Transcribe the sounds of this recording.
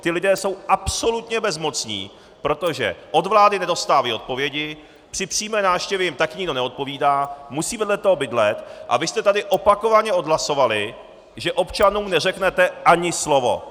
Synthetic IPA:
t̪ɪlɪdɛːso̞wʔapso̞lut̪ɲɛbɛzmo̞t͡sɲḭː | pɾo̞t̪o̞ʒɛ̰ʔo̞d̪vlaːdɪnɛdo̞st̪aːvaio̞t̪̚po̞vjɛɟɪ | pr̥ɪpr̥iːmɛːnaːfʃcɛvjɛjɪmt̪akɲɪɡdo̞nɛot̪̚po̞viːdaːmusiːvɛdlɛt̪oɦobɪdlɛt̪ʔa̰vɪst̪ɛt̪adɪʔopako̞vaɲɛo̞d̪ɦlaso̞valɪ | ʒɛʔo̞pt͡ʃanuːmnɛrɛknɛt̪ɛʔaɲɪslo̞vo̞̰

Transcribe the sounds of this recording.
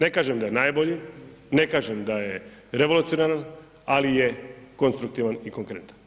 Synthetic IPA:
nekaːʒemd̪ajenaːjboʎi | ne̞kaːʒemd̪aje | ɾe̞ʋo̞lut̪sijoneɾan | alijekonst̪ɾuk̚t̪iʋanikoŋkɾe̞nt̪ḁn

